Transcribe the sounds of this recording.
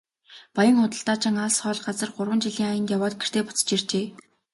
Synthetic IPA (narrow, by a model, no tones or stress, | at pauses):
pajə̆ŋχʊt̪ə̆ɬt̪aːt͡ɕɪ̆ŋaɮsχœːɮɢat͡sə̆rɢʊrwə̆nt͡ɕiɮiːŋajə̆nt̪jawaːt̪̚ɡer̥t̪eːpʊ̥t͡s̆t͡ɕirt͡ɕeː